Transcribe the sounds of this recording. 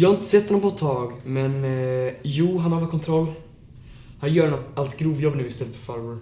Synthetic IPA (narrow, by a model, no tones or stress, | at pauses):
jɑːhaɪnt̪ə̥sɛt̪ːɔnɔmpɔt̪ʰːɑːɡmɛn | juːɦanhaɾvɛlkʰɔnt̪ʰɾɔlː | hanjœːɾɳɔt̪alt̪ɡɾuːvjɔbːnʉːɪst̪ɛlːət̪fœɾfaɾvəɾ